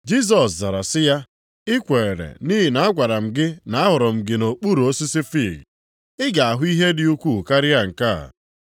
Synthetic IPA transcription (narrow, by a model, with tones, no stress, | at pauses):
d͡ʒi˦s̬ɔ˨sza˨ɾa˨sɪ˦ja˦ | ɪ˦kʷe˨e˨ɾḛ˨ni˦ɦɪ˨na˨a˦ɡʷa˨ɾa˨m̩˨ɡɪ˦na˨a˦ɦʊ˨ɾɔ˨m̩˨ɡɪ˨no˨k͡pu˦ɾo˦si˦sɪ˦fi˦˨ɡ | ɪ˦ɡa˨a˨ɦʊ˦i˦ɦe˦dɪ˨u˦kʷu˦˨ka˦ɾɪ˦a˦ŋ̩˨ka̰˦˨